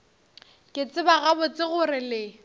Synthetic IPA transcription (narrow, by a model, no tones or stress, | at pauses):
kʼɪt͡sʼɪbaɣabʊt͡sʼɪɣʊrɪlɪ